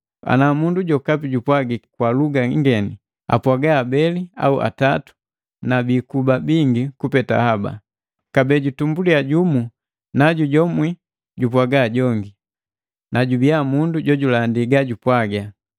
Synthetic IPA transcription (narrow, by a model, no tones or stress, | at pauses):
a̰namunduɟɔkapiɟupwaɡikwaluɡaŋɡɛni | a̰pwaɡaːbɛlia̰uʔa̰tatu̥ | nabiːkubabiŋɡikupɛta̰haba̰ | kabɛɟutumbuliaɟumu | naɟuɟɔmwi | ɟupwaɡaːɟɔŋɡi | naɟubiamunduɟɔɟulandiɡaɟupwaɡa